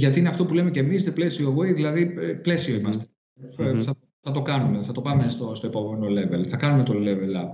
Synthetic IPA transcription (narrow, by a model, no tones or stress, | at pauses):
ʝɐt̪iine̞ɐft̪opule̞mecemisneplesio̞voiðilɐðiple̞sio̞imɐst̪e | θɐ | θɐt̪o̞kɐnume̞θɐt̪o̞pɐme̞st̪ost̪o̞epɐvomeno̞le̞ve̞lθɐkɐnumet̪o̞le̞velɐ̰